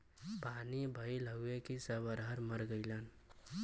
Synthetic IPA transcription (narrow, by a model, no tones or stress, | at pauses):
paːnibʱəiləɡuekisəβəɾɦəɾməɾɡəɪlan